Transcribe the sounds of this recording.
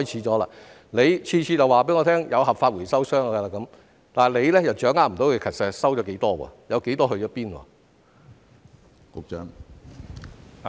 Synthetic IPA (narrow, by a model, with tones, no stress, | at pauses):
ɔː˥jt͡sʰiː˨˥t͡ʃɔː˨˥la̰ː˧ | le˨˧jt͡ʃʰiː˧t͡ʃʰiː˧jɐ˨waː˨˩pe˨˥ŋɔː˨˧t̪ʰɛː˥ŋjɐ˨˧wɦɐ˨p̚faː˧t̚wuː˨˩jsɐ˥wsœː˥ŋa˧ɐ˧laː˧kɐ˨˥m | t̪aː˨le˨˧jlɛː˥jɐ˨wt͡ʃœː˨˥ŋaː˨˥m̩˨˩t̪o˨˥wkːkʰɐ˨t̚sɛ˨˥sɐ˥wt͡ʃɔː˨˥ke˨˥jt̪ɔː˥wɔ̰ː˨˧jɐ˨˧wke˨˥jt̪ɔː˥ɦɵ˧ɥjɔː˨˦˥piː˥nwɔ̰ː˧˩ | kʊ˨˧k̚t͡ʃœː˨˥ŋ